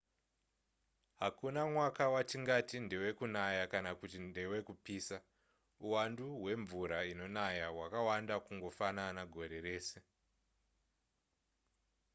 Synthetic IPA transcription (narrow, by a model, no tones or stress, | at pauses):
ɦakunamwakawatiŋɡatinde̞we̞kunajakanakutinde̞we̞kupiːsa | uwanduɦwe̞ɱvuɾaino̞najaɦwakawandakuŋɡo̞fananaɡʱo̞ɾe̞re̞ːse̞